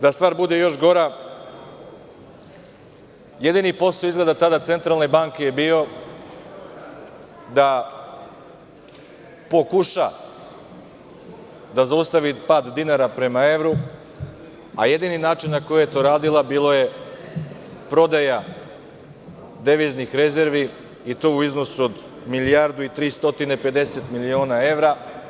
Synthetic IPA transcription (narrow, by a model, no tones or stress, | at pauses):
d̪ast̪ʋaːɾbud̪e̞jo̞ʃɡo̞ɾa | je̞d̪inipo̞st̪oizɡled̪at̪ad̪at̪se̞nt̪ɾalne̞baŋke̞jebiːo̞ | d̪a | po̞kuʃa̰ | d̪azaust̪aʋipad̪d̪inaɾapɾe̞mae̞ʋɾu | a̰je̞d̪ininaːt͡ʃinːako̞jejet̪o̞ːɾaːd̪ilabiːlˠo̞je̞ | pɾo̞d̪aja | d̪e̞ʋiznixɾe̞ze̞ɾʋiː | t̪oːuizno̞suod̪ | milijaɾd̪uit̪ɾiːst̪o̞t̪ine̞pe̞d̪e̞se̞t̪milio̞ːnae̞ʋɾa